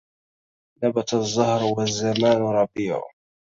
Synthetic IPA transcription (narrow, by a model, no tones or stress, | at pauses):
nabat̪zˤːʊhɾwazːamaːnɾˤɑbiːʕʊ̰